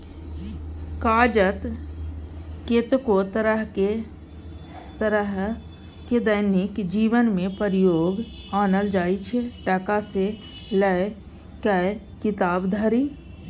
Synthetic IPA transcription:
kad͡ʒət̪ | ket̪kot̪əɾəɦe | t̪əɾəɦ | ked̪əɪnɪkd͡ʒiːʋənmẽpəɾijoːɡ | anəld͡ʒaːit͡ʃʰeʈəkase | ləj | kə | kɪt̪aːbd̪ʱəɾi

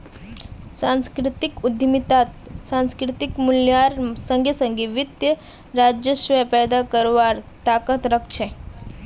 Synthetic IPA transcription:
sãnskɾɪt̪ikud̪ʱjəmit̪at̪sãnskɾɪt̪ikmuljaɾsə̃ŋɡesə̃ŋɡeʋɪt̪jə | ɾad͡ʒjəʃʋəjpɛːd̪akəɾʋaːɾt̪aːkət̪ɾɐkʰt͡ʃʰe

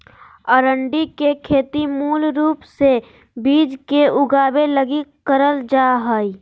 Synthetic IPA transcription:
əɾəɳɖikekʰeːt̪imuːlɾuːpse | biːd͡ʒkeʊɡaːbeləɡikəɾəld͡ʒaːɦəːi

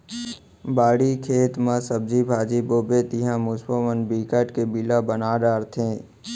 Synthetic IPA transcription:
baːɽikʰeːt̪mãsəb̚d͡ʒibʱaːd͡ʒiboːbet̪ɪɦãmʊsbəʋənbiːkəʈkebilabənaːɖaːɾt̪ʰẽː

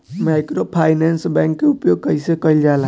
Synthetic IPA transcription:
majkɾopʰajnensbãŋkːeupjoɡ̚kəɪsekəjld͡ʒala

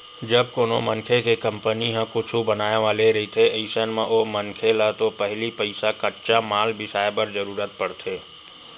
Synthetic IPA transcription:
d͡ʒɐb̚koːno̰mɐ̃ŋkʰekekɐ̃mpəniɦãkʊt͡ʃʰubɐnaːeʋaːleɾɐɦit̪ʰeeɪsənmẽʔoːmɐnkʰelat̪opɛɦlipɐɪsakɐʈt͡ʃamaːlbʱɪsaːepəɾzəɾuːɾət̪̚pɐɽt̪ʰeː

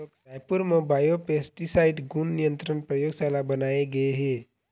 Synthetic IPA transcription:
okaːjpʊɾmẽbaːjopeːsʈisaːɪʈɡunːijə̃nt̪ɾənpɾəjoːɡsaːlabɐnaːeɡɐeɦeː

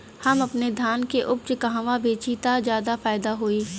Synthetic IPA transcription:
hɐmɐpned̪ʱjaːnkeʔʊp̚t͡ʃəkɐɦãʋabeːt͡ʃit̪azjaːd̪afaːɪd̪aɦoːiː

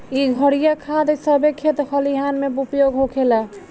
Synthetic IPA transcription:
iɡʱəɽijakʰad̪esəbekʰet̪kʰəliɦanmebupjoɡɦokʰelɛ

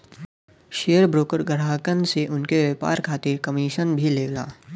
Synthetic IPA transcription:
ʃeːjəɾbɾoːkəɾɡəɾaːkənseʔʊnkeʋeːpa̰ːɾkʰaːt̪ɪɾkɐmiːʃənbʱileːɡla̰ː

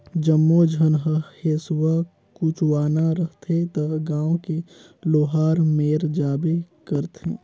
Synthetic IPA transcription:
d͡ʒəmːod͡ʒʱənɦəheːswa | kuːt͡ʃwaːnaɾəɦt̪ʰet̪əɡãːõke | loːɦaːɾmeːɾd͡ʒaːbekəɾt̪ḛ̃ː

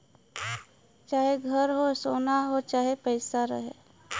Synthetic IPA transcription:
t͡ʃaːɦeɡʱəɾɦosoːnaɦot͡ʃaːɦepəɪsaɾə̰ɦḛː

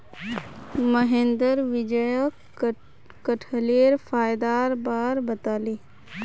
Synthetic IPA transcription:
məɦẽːnd̪əɾʋɪd͡ʒəjək | kəʈʰəleːɾfaːjd̪aːɾbaːɾbɐt̪aːleː

